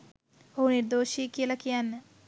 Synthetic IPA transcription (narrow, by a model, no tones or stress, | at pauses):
oɦuniɾd̪oːʃiekijəlakijanːə